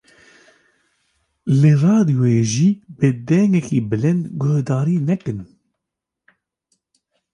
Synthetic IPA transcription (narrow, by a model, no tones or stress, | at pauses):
lɨrɑːd̪ijoeːʒiːbɨd̪ɛŋɡɛkiːbɨlɨnd̪ɡohd̪ɑːɾiːnɛkɨn